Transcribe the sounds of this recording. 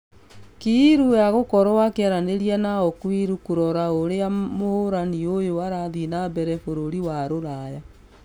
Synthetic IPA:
kiːɾujaɣokɔɾɔwakɛɾaneɾianaɔkwiɾukoɾɔɾaoɾeamohoɾaniojoaɾaðinabɛɾɛfoɾoɾiwaɾoɾaja

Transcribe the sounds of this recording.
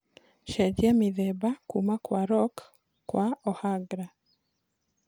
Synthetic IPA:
ʃɛdiamiðɛbakumakwaɾɔkː | waɔhaɡɾa

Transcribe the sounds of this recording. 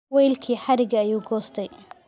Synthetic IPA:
wɛjlkʰiːħɑɾɪɡɐːjuːɡɔːst̪ʰɛj

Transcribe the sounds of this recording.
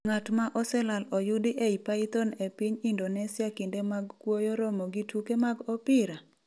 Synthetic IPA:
ŋatmaʔɔsɛlalɔjʊdɪʔeipait̪ɔnepiɲindonɛsɪakɪndemaɡkwojɔɾɔmoɡitukemaɡɔpɪɾa

